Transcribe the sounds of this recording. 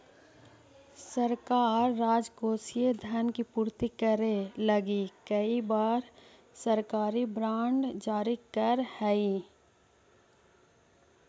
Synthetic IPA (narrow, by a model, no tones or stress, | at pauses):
səɾkaːɾːaːd͡ʒkoːsied̪ʱənkipuːɾt̪ikəɾeləɡikəibaːɾ | səɾkaːɾibɾãːɳɖd͡ʒaːɾikəɾhɛi